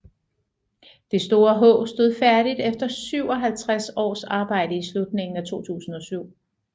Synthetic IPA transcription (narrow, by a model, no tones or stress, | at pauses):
d̥esd̥o̝ːɐɦɔ̰̽ːsd̥o̝ð̰ˠfæɐɾ̥id̥efd̥ɐsyʊ̰ɒ̽ɦælt͡sʰʁasɒ̰ːsɑ̈ːb̥ɑ̈ɪ̰dəislud̥̚ne̝ŋn̩æt͡sʰo̝̰ːt͡sʰṵːsn̩ɒ̽syʊ̰